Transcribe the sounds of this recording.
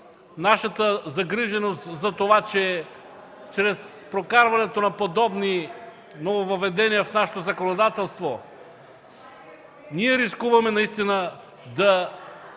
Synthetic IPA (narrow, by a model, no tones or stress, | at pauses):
naʃɐt̪əzɐɡɾiʒɛnost̪zɐt̪ovat͡ʃɛ | t͡ʃɾɛspɾokaɾvɐnɛt̪onɐpod̪ɔbni | novovɐvɛd̪ɛnijɐfnaʃɛ̥t̪ozɐkonod̪at̪ɛlˠst̪vo | niɛɾiskuvɐmɛnɐist̪inə | d̪ɐ